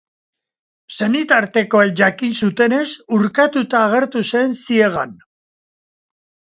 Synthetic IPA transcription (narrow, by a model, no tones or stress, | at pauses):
se̞nit̪aɾt̪e̞ko̞eʝakinsut̪e̞ne̞suɾkat̪ut̪aːɣ̞e̞ɾt̪usensie̞ɣ̞an